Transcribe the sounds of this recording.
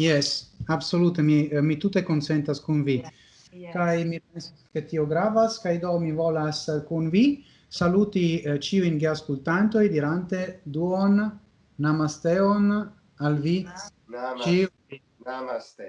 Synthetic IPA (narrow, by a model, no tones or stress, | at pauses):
jesabso̞lut̪emimit̪ut̪e̞kont͡sent̪askunvi | kajmipensasket̪ioɡɾavaskajd̪omivolaskunvi | salut̪it͡ʃiujnɡeaskult̪ant̪o̞jd̪iɾant̪e̞d̪uonː | amast̪eon | alvi | t͡ʃi